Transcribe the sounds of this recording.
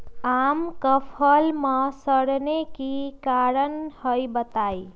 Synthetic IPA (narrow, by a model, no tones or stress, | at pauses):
amkəpʰəlmʌsəɽnekikaɾənhəjbət̪aj